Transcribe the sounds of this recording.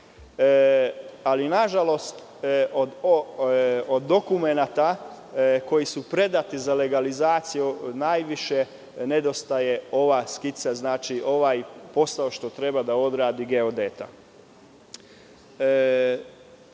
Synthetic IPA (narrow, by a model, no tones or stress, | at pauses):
alinaʒalo̞st̪ | od̪ | od̪ːo̞kumenat̪a | ko̞jisupɾe̞d̪at̪izale̞ɡalizaːt̪sijunajʋiʃe | ned̪o̞st̪aje̞o̞ʋaskit̪saznaːt͡ʃiʔo̞ʋajpo̞saoʃt̪o̞t̪ɾe̞bad̪ao̞d̪ɾaːd̪iɡeod̪et̪a